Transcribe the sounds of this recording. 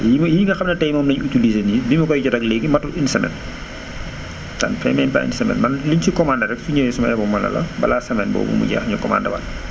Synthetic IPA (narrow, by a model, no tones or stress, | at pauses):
jimjiɡɐxɐmnɐtɛjmɔːmnɐɲutilizenibimɐkɔjcɔɾɐklɛɡimɐtuʔinsɐmɛ̰n | tɐ̰nfɾɛ̰mɛnpa̰ʔḭnisɛmɛ̰nmɐnliɲt͡ʃikɔmandɐɾɛksuɲɛjsumɐʔɛbɔmːɐlɐ̰lɐ̰bɐ̰lasɐmɛnbɔ̰ːbṵmṵɟa̰ːxɲukɔma̰ndɐwa̰n